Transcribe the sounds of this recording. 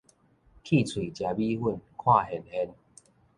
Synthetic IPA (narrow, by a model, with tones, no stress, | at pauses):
kʰiː˥˩˨t͡sʰwi˨˩˦t͡ɕja˨˧˦bi˦hu˧˥˩nkʰwaː˥˧˨ɦe˨˦nhe˧n